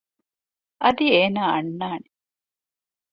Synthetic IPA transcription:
ʔɐd̪ieːnaːɐ̰nːaːne

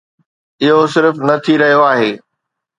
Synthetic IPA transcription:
ɪɦosɪɾfnɐt̪ʰiɾɐɦijoaːɦeː

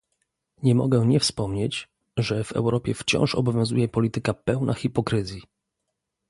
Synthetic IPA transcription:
ɲɛmɔ̰ɡɛɲɛfspɔmɲet͡ɕ | ʐɛvɛ̰wɾɔpʲjɛft͡ɕɔ̰̃w̃ʂɔ̰bɔvʲjɔ̃w̃zujɛpɔlʲit̪ɘkapɛwnʔaxʲipɔkɾɘzʲji

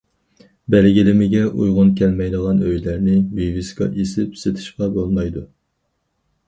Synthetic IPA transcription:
bɛlɡʲilɪmɪɡʲɛʔṵjʁʊnkʲʰɛlmɛjd̪əʁɑnøjlæɾnɪvivɪskɑ̰ʔesɪpset̪ʰɪ̥ʃqɑbolˠmɑjd̪u

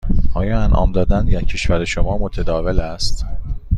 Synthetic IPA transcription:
ʔɒːjɒːænʔɒ̰ːmd̪ɒːd̪ænd̪jæcʰeʃvæɾeʃomɒːmo̞t̪ʰed̪ɒːvelæst̪

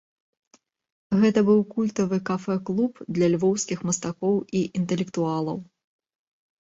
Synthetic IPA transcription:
ɣɛt̪ɐbɨwkulʲt̪ɐvɨkafɛklˠupd̪lʲɐlʲvɔwskʲixmɐst̪akɔwiʔint̪ɛlʲɛkt̪ualˠɐ̰w

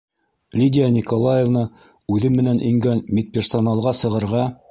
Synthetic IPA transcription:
lʲidʲɪjanʲikolˠajevnɤ | ʉðɘmmːɘ̆nænʔḭŋɡænmʲit̪̚pʲersonalˠʁɑsɤ̆ʁɤ̆ɾʁɑ

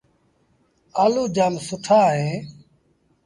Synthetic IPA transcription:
aːluːd͡ʒaːlsʊʈʰaːɦeː

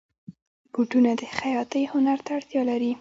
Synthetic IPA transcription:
ɡ̥uʈunad̪əxajɑt̪əjhʊnaɾt̪aːɽt̪jɑlaɾi

